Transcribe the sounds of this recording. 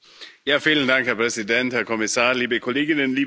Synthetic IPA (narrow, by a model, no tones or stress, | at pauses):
jaːfiːləndaŋkhɛɐpʁ̥ɛzidɛnthɛɐkʰɔmɪsaːɐliːbəkʰɔleːɡɪnənliː